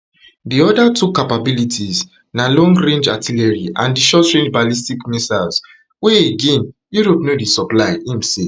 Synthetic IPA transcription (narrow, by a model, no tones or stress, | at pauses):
diɔdatʰukapabilitʰiz | nalɔ̃ŋɡɹẽnd͡ʒatʰilɛɹiʔã̰ndiʃɔtɹẽnd͡ʒbalistikmisals | weeɡẽnjuɹopnodisɔplaɪĩmse